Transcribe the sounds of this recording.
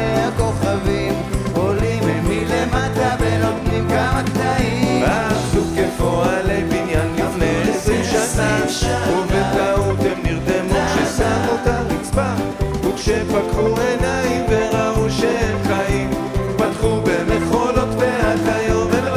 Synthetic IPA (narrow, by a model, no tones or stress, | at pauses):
ako̞χavimolimmilemat̪abelotnimkamakt̪aiʁakdukevo̞alebinjanlifnejesʁimʃatamuvetaut̪emniʁd̪emuʃesamut̪aʁit͡sba | ukʃepatχuenajimveʁauʃeemχaim | ipatχubemeχo̞lo̞t̪vehatajovel